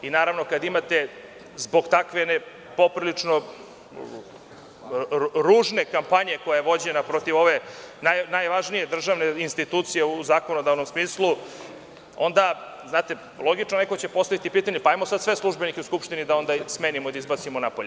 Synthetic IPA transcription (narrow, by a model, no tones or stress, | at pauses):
inaːɾaʋno̞kad̪imat̪e̞ | zbo̞ɡt̪akʋene | po̞pɾilit͡ʂno | ɾuːʐne̞kampaɲe̞ko̞jajeʋo̞d͡ʑenapɾo̞t̪iʋo̞ʋe̞najnajʋaʒnije̞d̪r̩ʒaʋneinst̪it̪uːt̪sijeuzaːko̞no̞d̪aːʋno̞msmiːslˠu | o̞nd̪a | znaːt̪e̞ | lˠo̞ɡit͡ʃnoneko̞t͡ɕe̞po̞st̪aʋit̪ipiːt̪aɲepaajmosad̪sʋe̞slˠuʒbenikeuskupʂt̪inid̪ao̞nd̪asmeːnimoid̪aizbat̪simonapoʎe